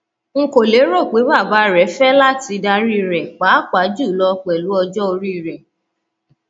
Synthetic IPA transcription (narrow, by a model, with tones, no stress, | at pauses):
ŋ̩˨ko˨le˨˦ɾo˦˨k͡pe˨˦ba˦˨ba˨˦ɾɛ˨˦fɛ˦la˦ti˧da˧ɾi˦˨ɾɛ˨k͡pa˨˦k͡pa˨˦d͡ʒu˦˨lɔ˧k͡pɛ˨lu˨˦ɔ˧d͡ʒɔ˦o˧ɾi˦˨ɾɛ˨